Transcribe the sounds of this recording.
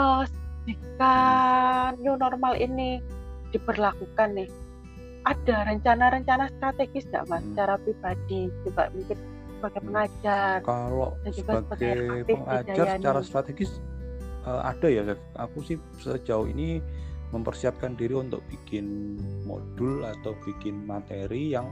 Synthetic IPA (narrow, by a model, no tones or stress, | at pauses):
əsd͡ʒika | njunɔrmalʔinid̥ipərlakukanːɪh | ʔad̥aɾəɲt͡ʃanaɾəɲt͡ʃanast̪ɾat̪eɡ̥ɪsŋa̰ʔmasət͡ʃaɾapɾib̥adid͡ʒuɡa̰ʔmuŋkɪn | səb̥aɡajpəŋad͡ʒarkalo̰ʔdasəd͡ʒuɡasaɡbḁaap̪ɪəŋaəd͡ʒajaaɲt͡ʃaɾast̪ɾat̪eɡɪsʔəʔa̰d̥ajas | ʔakusɪh | səd͡ʒaʊhḭniməmpərsiap̚kandiɾiunt̪ʊ̰k̚b̥ikɪnmo̰d̥ʊlat̪awb̥ikɪnmat̪eɾijaŋ